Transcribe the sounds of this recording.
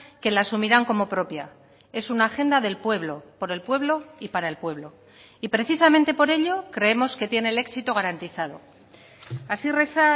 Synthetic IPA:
ke̞lasumiɾaŋko̞mo̞pɾo̞pja̰ | e̞sunaːxe̞nd̪aðe̞lpwe̞βlo̞po̞ɾe̞lpwe̞β̞lo̞ipaɾae̞lpwe̞β̞lo̞ | ipɾe̞θisamẽnt̪e̞po̞ɾe̞ʎo̞kɾe̞e̞mo̞ske̞t̪je̞ne̞le̞ksit̪oɣ̞aɾant̪iθað̞o̞̰ | asire̞θa

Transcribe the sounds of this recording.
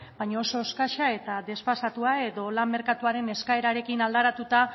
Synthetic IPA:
bajɲaoso̞skaʃae̞t̪aðe̞sfasat̪uae̞ðo̞lamme̞ɾkat̪uaɾe̞ne̞skae̞ɾaɾe̞kinald̪aɾat̪ut̪a

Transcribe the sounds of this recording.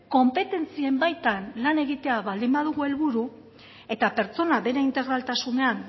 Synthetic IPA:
ko̞mpe̞t̪e̞nt͡sie̞mbajt̪anlane̞ɣit̪e̞aβald̪imbað̞uɣue̞lβuɾu | e̞t̪ape̞ɾt͡so̞naβe̞ɾeint̪e̞ɣ̞ɾalt̪asune̞an

